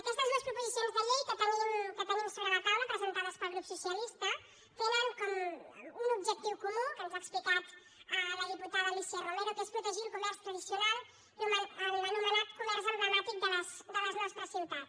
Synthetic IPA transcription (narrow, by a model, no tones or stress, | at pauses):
əkɛst̪əzmewspɾupuzisionzðəlejkət̪əminkət̪əmunsoβɾələt̪awləpɾəzənt̪aðəspəlˠɣɾupsusiəlist̪ə | t̪enəŋkɔmunubʒək̚t̪iwkumukənzaksplikat̪ | ələðiput̪aðəlisiɛromeɾokespɾut̪əʒilˠkumɛrst̪ɾəðisiunalˠ | məəənumənat̪kumɛrzəld̪ɾəmat̪ik̚d̪ələsd̪ələznɔst̪ɾəsiwt̪at̪